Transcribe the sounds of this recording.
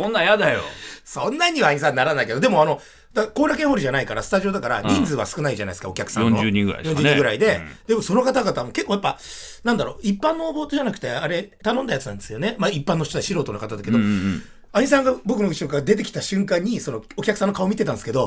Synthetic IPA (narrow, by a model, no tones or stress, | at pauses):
õnːajad̪ajo̰sõnːaɲ̟iβaːɲ̟is̬ãnːaɾanaike̞d̪od̪e̞mo̞ano̞ | d̪ako̞ːɾak̬ẽ̞hoɾiʑanaikaɾa̰sɨ̥t̪aʑio̞d̪akaɾa̰ɲʲĩnd͡zɨβasɨ̥kɯ̟naid͡ʑana̰jd̪sɨkaokʲakɯ̥sa̰nõːod͡ʒɨːɲĩŋɡɯɾa̰jõɲd͡ʒɨːɲĩɡɯ̟ɾa̰id̪e̞d̪e̞mo̞so̞no̞kat̪aɡat̪amoke̞kːoːjapːa | nãnd̪aɾo̞ipːãnːo̞ːbo̞ːt̪oʑanakɯ̟̥t̪e̞aɾe̞t̪anond̪ajat͡sɨnãnd̪e̞sɨjo̞nemaːipːãnoɕit̪od̪aɕiɾo̞ːt̪o̞nokat̪ad̪ake̞d̪o̞ | aɲ̟is̬ãŋɡabo̞kɯ̟noɡiɕokaɡad̪e̞t̪̬e̞kʲi̥t̪aɕɨ̃ŋkãɲ̟ːiso̞nookʲakɯ̟sanːokaomʲit̪e̞t̪ãndesɨ̥ke̞d̪o̞